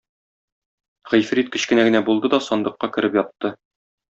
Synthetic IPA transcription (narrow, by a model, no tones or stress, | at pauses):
ʁɵ̆jfɾit̪̚kɵ̆ɕkɘ̆næɡɘ̆næbulˠd̪ɤd̪ɒsɒnd̪ɤ̆qːɑkɘ̆ɾɘpjɒt̪ːɤ